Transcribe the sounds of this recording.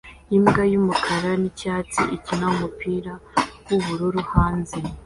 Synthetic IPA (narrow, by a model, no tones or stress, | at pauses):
imɡajumukʰaɾanicaːt͡siʔicinaumupʰiːɾawuβuɾuɾuhaːnze